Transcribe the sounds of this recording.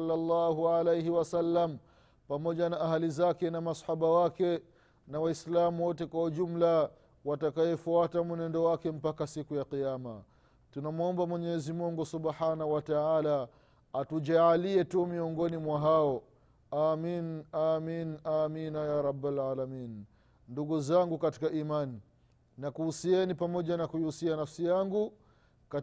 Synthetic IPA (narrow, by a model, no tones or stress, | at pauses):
lːalːaːɦuʕalejɦiwasalːam | pamɔʄanaːɦalizakɛnamasħaɓawakɛ | nawaislamuwɔtɛkwahuʄum̩la | watakajɛfuatamunɛndɔwakɛm̩pakasikujaqijama | tunamuɔmbamwɛɲɛɛzimuŋɡusuɓħanahuwataaːla | atuʄaːliɛtumiɔŋɡɔnimwaɦaɔ | aːminaːminaːminajaɾˤɑbːalʕaːlamin | nduɡuzaŋɡukati̥kaʔimani | nakuusiɛnipamɔʄanakujihusianafsijaŋɡu | ka